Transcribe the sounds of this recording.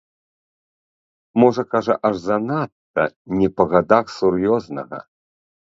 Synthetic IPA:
mɔʐɐkaʐɐʔɐʐzanat̪ːɐ̰nʲɛpɐɣad̪axsurjɔznɐ̰ɣɐ̰

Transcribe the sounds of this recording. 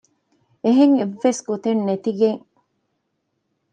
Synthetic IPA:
eɦeŋeʋːesɡut̪ennet̪iɡeŋ

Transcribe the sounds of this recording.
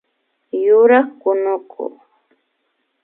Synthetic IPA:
jʊɾɑχkʊnʊkʰo̰

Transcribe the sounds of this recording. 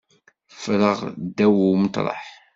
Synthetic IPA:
fɾəʁd̪æwuwmət̪ˤlˤɑ̰ħ

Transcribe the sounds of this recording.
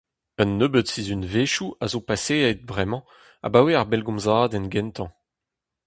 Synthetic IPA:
ənːøbət̪sizynveʃuazopaseɛd̪̚bʁɛmɑ̃ | a̰baweaʁbɛlɡɔ̃mzaːd̪ɛnɡɛ̃nt̪ʰɑ̃

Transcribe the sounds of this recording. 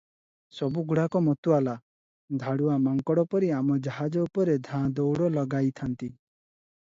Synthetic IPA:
sɔbuɡuɽakɔmɔt̪uala | d̪ʱaɽuamaŋkɔɽɔpɔɾiamɔd͡ʒaɦad͡ʒɔupɔɾed̪ʱãd̪ɔwɽɔlɔɡajt̪ʰant̪i

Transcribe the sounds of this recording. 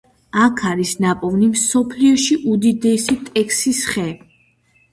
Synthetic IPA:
akʰaɾisnapʼɔvnimsɔpʰliɔʃiʔud̪id̪ɛsit̪ʼɛkʰsisχɛ

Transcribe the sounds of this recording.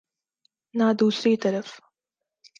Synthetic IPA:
naːd̪uːsiːt̪ɐɾɐf

